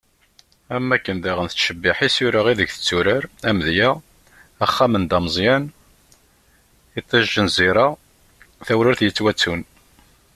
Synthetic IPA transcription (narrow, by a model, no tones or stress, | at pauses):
æmːækːənðaʁənθəʃəbːiħisuɾaʁiðəɡθə̥t͡sːuɾəɾæmðjæ | æχːæmənd̪ɑməzˤjæn | it̪ˤːɑʒːənziɾa | θæwɾəɾθjət͡sːwæt͡sːun